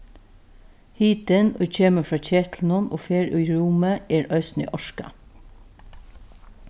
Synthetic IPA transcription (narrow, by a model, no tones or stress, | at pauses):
hiːt̪ɪnʉːc͡çeːməfɹɑːc͡çeːt̪ʰln̩ʊmʔo̰ːfeːɹʔʉ̰ːiːɹʊməeːɹʔœʏsn̩ḭːʔɔʃkɑ̰